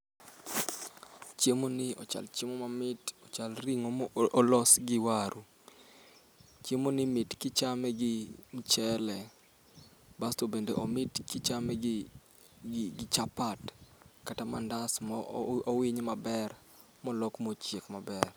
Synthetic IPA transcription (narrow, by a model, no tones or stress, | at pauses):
t͡ʃjemonɪɔ̰t͡ʃa̰lt͡ʃemomamɪtɔt͡ʃalriŋolɔsɡɪwaɾʔu | t͡ʃemonɪmɪtkɪt͡ʃamɛɡɪm̩t͡ʃɛlɛ | bastobendḛʔomɪtkɪt͡ʃamɛ | ɡɪt͡ʃapatkatamandasmɔowɪɲmabɛr | mɔlɔkmot͡ʃjekmabɛr